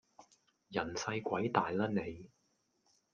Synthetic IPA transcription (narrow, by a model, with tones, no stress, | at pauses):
jɐ˨˩nsɐ˧jkʷɐ˨˥jt̪aː˨jlɐ˥ne˨˧j